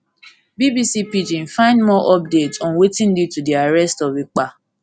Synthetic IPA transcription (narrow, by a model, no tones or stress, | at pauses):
bibisipid͡ʒĩn̩fãɪ̃ndmɔʔɔp̚detɔ̃nwetĩn̩ditudiaɾɛstɔbik͡pa